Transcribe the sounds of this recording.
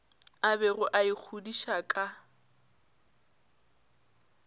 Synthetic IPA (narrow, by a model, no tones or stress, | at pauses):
abɛrʊʔaik͡xʰudiʃakʼa